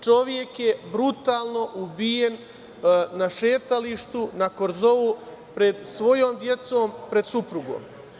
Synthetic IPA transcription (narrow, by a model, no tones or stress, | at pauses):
t͡ʃo̞ʋje̞kje̞bɾut̪aːlˠno̞ʔubije̞n | naʃe̞ːt̪aliʃt̪unako̞ɾzo̞u | pɾe̞d̪sʋo̞jo̞ːmd̪je̞t̪so̞ːmpɾe̞d̪supɾuɡo̰ːm